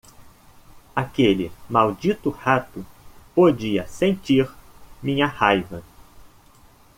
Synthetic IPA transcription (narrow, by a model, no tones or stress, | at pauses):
akelɪmawd͡ʒit̪ʊhat̪ʊpod͡ʒiɐsẽnt͡ʃiɾmĩɲɐhajvɐ